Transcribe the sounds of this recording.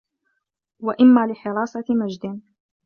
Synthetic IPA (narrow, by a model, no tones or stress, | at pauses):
waʔɪmːaːlɪħɪɾɑːsˤɑmad͡ʒd̪ɪn